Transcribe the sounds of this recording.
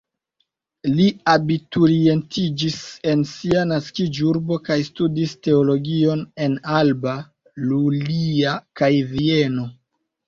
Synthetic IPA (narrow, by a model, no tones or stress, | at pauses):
liabituɾie̞ntid͡ʒise̞nsianaskid͡ʒuɾbo̞kajstudiste̞olo̞ɡio̞ne̞nalba | luliakajvieno̞